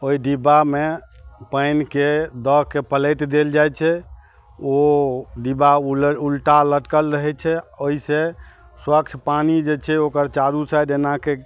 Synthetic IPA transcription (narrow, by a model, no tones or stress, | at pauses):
oiɖibamepəjnked̪əkepəleʈd̪eld͡ʒajt͡ʃʰɛ | oɖibaulʈaləʈkəlɾəɦɛt͡ʃʰɛoise | swəkt͡ʃʰpanid͡ʒet͡ʃʰɛokəɾt͡ʃaɾusajd̪enake